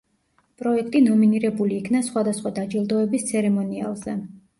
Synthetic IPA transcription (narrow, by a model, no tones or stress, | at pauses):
pʼɾɔɛkʰt̪ʼinɔminiɾɛbuliːkʰnasχwad̪asχwad̪ad͡ʒilˠd̪ɔɛbist̪sʰɛɾɛmɔnia̰lˠzɛ